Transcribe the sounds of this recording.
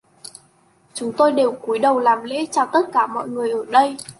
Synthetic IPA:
t͡ɕʊ˨˦ŋ͡mt̪o˧jɗe˨˩wku˨˦jɗə˨˩wlaː˨˩mlḛ˧˥t͡ɕɔ˧˩t̪ə˦˥t̚kaː˧˩mɔ̰˧˨jŋɨ˨˩əjʔəː˧˩ɗə˧j

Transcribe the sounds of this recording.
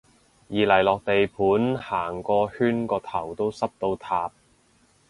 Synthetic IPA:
jiː˨˩lɐ˨˩jlɔː˨k̚t̪e˨jpʰuː˨˥nhaː˨˩ŋkɔː˧hyː˥nkɔː˧t̪ʰɐ˨˩wt̪o˥wsɐ˥p̚t̪o˧wt̪ʰaː˨p̚

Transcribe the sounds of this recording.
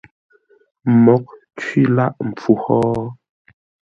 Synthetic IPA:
mɔ˨˦k̚ | t͡ʃɥi˦la˦ʔm̩˨p͡fu˨hɔː˦

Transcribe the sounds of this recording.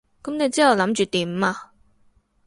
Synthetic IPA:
kɐ˨˥mne˨˧jt͡siː˥hɐ˨wlɐ˨˥mt͡ʃyː˨t̪iː˨˩m˨aː˧

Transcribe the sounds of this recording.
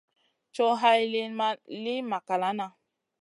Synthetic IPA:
t͡ʃo˦ɦa˦jli˦li˦ma˨ka˨la˨˦na˨

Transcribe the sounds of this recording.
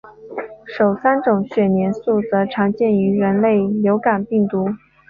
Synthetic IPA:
ʂo˨˩ʊsa˥nʈ͡ʂʊ˨˩ŋɕɥɛ˨˩njɛ˧˥nsu˥˩t͡sɤ˧˥ʈ͡ʂʰɑ˧˥ŋt͡ɕjɛ˥˩ny˧˥ɻə˧˥nle˥˩ɪljo˧˥ʊka˨˩npi˥˩ŋt̪u˧˥

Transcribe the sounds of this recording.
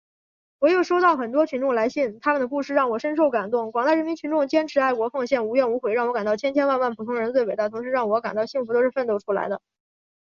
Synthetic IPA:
wɔ˨˩jo˥˩ʊʂo˥ʊt̪ɑ˥˩ʊxə˨˩nt̪wɔ˥t͡ɕʰy˧˥nʈ͡ʂʊ˥˩ŋla˧˥ɪɕi˥˩nt̪ʰa˥mə˨nd̪ə˩ku˥˧ʂɻ̩˥˧ɻɑ˥˩ŋwɔ˨˩ʂə˥nʂ̬o˥˩ʊka˨˩nt̪ʊ˥˩ŋkwɑ˨˩ŋt̪a˥˩ɻə˧˥mi˧˥nt͡ɕʰy˧˥ʈ͡ʂʊ˥˩ŋt͡ɕjɛ˥nʈ͡ʂʰɻ̩˧˥a˥˩ɪkwɔ˧˥fɑ˥˧ŋɕjɛ˥˩nu˧˥ɥnu˧˥xwe˧˩ɪɻɑ˥˩ŋwɔ˥ka˨˩nt̪ɑ˥˩ʊt͡ɕʰjɛ˥nt͡ɕʰjɛ˥nwa˥˧nwa˥˩npʰu˨˩t̪ʰʊ˥ŋɻə˧˥nt͡swe˥˩ɪwt̪a˥˩t̪ʰʊ˧˥ʂɻ̩˧˥ɻɑ˥˩ŋwɔ˧˥ka˨˩nt̪ɑ˥˧ʊɕi˥˩ŋfu˧˥t̪o˥ʊʂɻ̩˥˧fə˥˧nt̪o˥˩ʊʈ͡ʂʰu˥la̰˧˥ɪd̪ə˧

